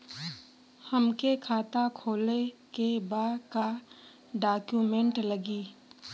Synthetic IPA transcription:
həmkekʰaːt̪akʰoːlekebaka | ɖaːkjuːmẽɳʈləɡiː

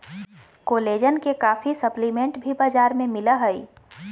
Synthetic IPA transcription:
koːleːd͡ʒənkekaːfisəplimẽɳʈbʱibaːd͡ʒaːɾmẽmɪləɦəi

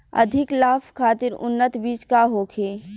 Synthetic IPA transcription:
ɐ̰d̪ʱɪklaːfkʰaːt̪ɪɾʊ̰nːət̪biːt͡ʃkaɦoːkʰeː

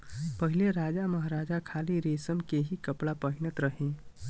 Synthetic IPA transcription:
pəɦileɾad͡ʒaməɦaɾad͡ʒakʰaliɾesəmkeɦikəpɭapəɦinət̪ɾəɦẽ

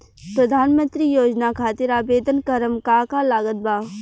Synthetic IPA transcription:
pɾɐd̪ʱaːnmə̃nt̪ɾijoːd͡ʒnakʰaːt̪ɪɾaːbeːd̪ənkəɾəmkaːkalaːɡət̪̚bʱaːʋ

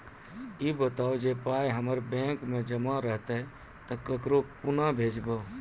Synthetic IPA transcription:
ibət̪aːod͡ʒepaːjɦəməɾbɛ̃ːkmẽd͡ʒəmaɾəɦt̪e | t̪əkəkɾopʊnabʱeːd͡ʒbə

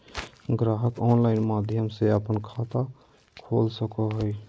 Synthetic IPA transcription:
ɡɾaɦət̪ɔnlaɪnmad̪ʱjəmseəpənkʰat̪a | kʰolsəkɔɦəj

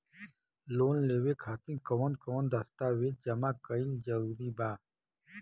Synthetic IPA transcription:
loːnleːwekʰaːt̪ĩkɐwənkəwənd̪ɐst̪aːweːd͡ʑɐmaːkəild͡ʒɐɾuːɾiːbaː

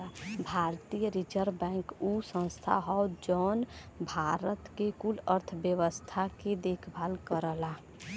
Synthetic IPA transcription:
abʱaɾt̪ijəɾid͡ʒəɾbɛ̃ːŋkusə̃nst̪ʰa̰ɦɔd͡ʒɔːn | bʱaɾət̪kekuləɾt̪ʰbjəʋəst̪ʰaked̪ekʰbʱalkəɾəla

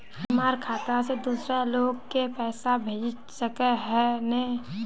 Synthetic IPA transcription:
həmaːɾkʰaːt̪ased̪uːsɾaloːɡ̚kepɛːsabʱeːd͡ʒ | səkeɦɛne

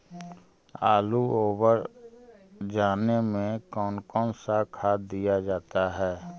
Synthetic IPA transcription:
aːluoːwəɾ | d͡ʒaːnemẽkɔːnkɔːnsakʰaːd̪ijad͡ʒaːt̪aɦɛː

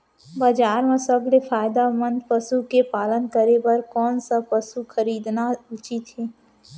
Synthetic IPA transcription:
baːd͡ʒaːɾmãsəblefʰaːɪd̪amə̃nd̪pəsukepaːlənkəɾebɐɾkɔːnsapɐsukʰəɾiːd̪naʊt͡ʃit̪ɦeː

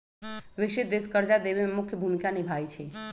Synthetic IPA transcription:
ʋɪkʃɪt̪̚d̪eskəɾd͡ʒad̪eβememʊkʰjəbʱumikanibʱajt͡ʃʰe

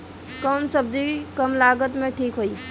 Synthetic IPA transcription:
kɔːnsəb̚d̪ikɐmlaːɡət̪mẽʈʰiːkɦoːiː

